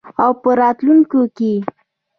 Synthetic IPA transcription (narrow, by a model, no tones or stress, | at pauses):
awpəɾɑt̪luŋkoke